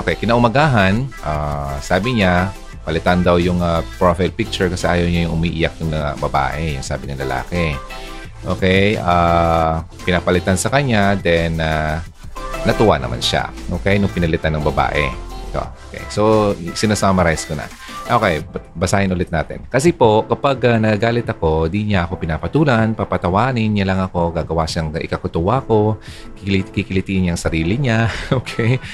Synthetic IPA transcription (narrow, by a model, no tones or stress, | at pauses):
ʔokɛjkɪnaʔʊmɐɡaːɦɐnʔaːsaːbɪɲa | pɐlɪt̪and̪ɐwjʊŋɐpɹofajlpɪk̚t͡ʃʊɹkɐsɛʔaːjɐwɲajʊŋʔʊmiːʔɪjɐk̚jʊŋlɐabɐba̰ːʔɛjʊŋsa̰ːbɪnɐŋlɐla̰ːkɛ | ʔo̰kɛjʔa | pɪnapɐlɪt̪ansɐkɐɲad̪ɛnaː | ɐt̪ʊwanɐ̰ma̰nʃa̰ʔoːkɛjnʊŋpɪnɐlɪt̪anːɐŋbɐba̰ːʔɛ̰ɪt̪o̰ʔokɛ̰jso̞sɪnasamɐɾajskonɐ̰ | ʔokɛjbɐsaːhɪnʔʊlɛt̪̚na̰ːt̪ɪ̰nkɐsɛpo̞kɐpaɡanɐaɡaːlɪt̪ɐko̞d̪iɲaʔɐko̞pɪnaːpɐt̪uːlɐnpapɐt̪ɐwaːnɪnɲalɐŋɐko̞ɡaːɡɐwaʃaŋʔɪ̰kɐkʊt̪ʊwaɐko̞ | ikikɪlɪt̪iʔɪɲaɐŋsɐɾiːlɪɲaʔoːkʰɛj